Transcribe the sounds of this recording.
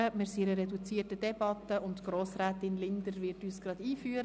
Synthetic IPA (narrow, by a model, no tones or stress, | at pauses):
əmɪɾsiɾəɾɛdut͡siːətəd̥ɛb̥ɑtəʊntɡ̥ɾoːsɾæːtɪnlɪnd̪əɾvɪɾtyːsɡ̥ɾɑd̥iːfyːəɾ